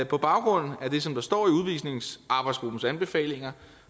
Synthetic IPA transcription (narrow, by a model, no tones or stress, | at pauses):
pʰɒ̽b̥ɑ̈ʊɡ̥ʁɔ̽n̰n̩æd̥e̝sɒ̽md̥ɑ̈sd̥ɒ̰ːiuð̞ˠʋḭːsne̝ŋsʔɑ̈b̥ɑ̈ɪsɡ̥ʁub̥n̩sænb̥e̝fɛ̰ːle̝ŋɐ